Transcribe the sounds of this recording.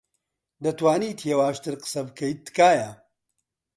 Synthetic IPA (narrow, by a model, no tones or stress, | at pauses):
d̪ɐt̪waːniːt̪ʰeːwaːʃt̪ɨɾqɨ̥sɐbɨkʰɐjt̪̚ːɨ̥kaːjɐ